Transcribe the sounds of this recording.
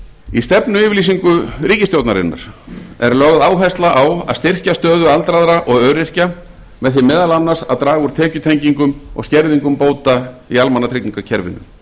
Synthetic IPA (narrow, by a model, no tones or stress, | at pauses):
ist̪ɛpnʏɪːvlisiŋkʏɾiːcɪst̪jowt̪naɾɪ̰nːa̰ɾ̥ɛɾlœɣðaːwɦajst̪laʔawa̰ðst̪ɪr̥cast̪œːðʏalt̪ɾaðɾaʔɔɣœːɾɪr̥ca | mɛðθɪmːɛːðalanːaɾsaðt̪ɾaːɣʏɾ̥t̪ʰɛːcʏt̪ʰejɲciŋkʏmɔ̰ɣscɛɾðiŋkʏmpoːwt̪aialmanːat̪ʰɾɪkniŋkacʰɛɾvɪ̰nːʏ̰m